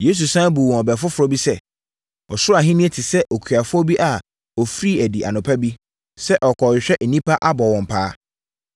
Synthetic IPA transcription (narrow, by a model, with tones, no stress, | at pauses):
je˦s̬u˨sã˦bu˨wɔ̃˨ɔ˨bɛ˨fʊ˦fʊ˨ɾɔ˦bi˦sɛ˦ | ɔ˨sʊ˦a˨ɦɪ̃˦nĩ˦ɛ˦tʰɪ˨sɛ˦ʔɔ˨kʰɥa˨fʊ˦ɔ˦bi˦ʔa˨ | ɔ˨fɾiː˦æ˨di˨ʔa˨nʊ̃˨pʰa˦bi˦ | sɛ˦ʔɔ˨kʰɔ˨ɕᶣɛ˦ʔ̩˨nĩ˦pʰa˦ʔa˦bɔ˨wɔ̃˨m̩˨pʰaː˦